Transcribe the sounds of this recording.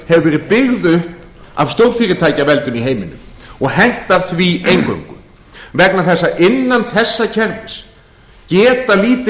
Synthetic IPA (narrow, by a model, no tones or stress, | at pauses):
hɛvʏvɛːɾɪðpɪɣðʏhp | a̰v̥st̪owɾ̥fiːɾɪt̪ʰaːjcavɛlt̪ʏmiɦeːjmɪnːʏ̰mɔɣhɛn̥t̪aθviejŋkœ̰ɥŋkʏ | vɛknaθɛsːaʔɪnːanθɛsːacʰɛɾvɪns | cɛːt̪aliːt̪